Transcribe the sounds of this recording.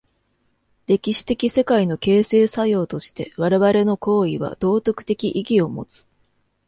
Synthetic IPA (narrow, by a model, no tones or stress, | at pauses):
ɾe̞kʲiɕi̥t̪e̞kʲise̞kaino̞ke̞ːse̞ːsajo̞ːt̪o̞ɕi̥t̪e̞βaɾe̞βaɾe̞no̞ko̞ːiβa̰d̪̥o̞ːt̪o̞kɯ̟̥t̪e̞kʲiʔiɡʲio̞mo̞̰t͡sɨ̥